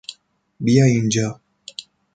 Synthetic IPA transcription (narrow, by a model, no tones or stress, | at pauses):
bijajind͡ʒaː